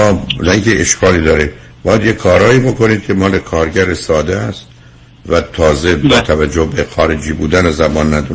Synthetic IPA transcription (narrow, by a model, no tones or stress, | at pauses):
ɒːnæiŋkʰeʔeʃkʰɒːliːd̪ɒːɾi | bɒːjæd̪jekʰɒːɾɒːiːbo̞ko̞niːd̪̚kʲʰemɒːlekʰɒːɾɟæɾesɒːd̪eæst̪ | væt̪ʰɒːzebɒːt̪ʰævæd͡ʒːohbexɒːɾed͡ʒiːbuːd̪ænezæbɒːnːæd̪u